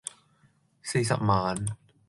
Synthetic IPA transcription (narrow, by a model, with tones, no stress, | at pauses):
siː˧s̬ɐ̰˨p̚maː˨˥n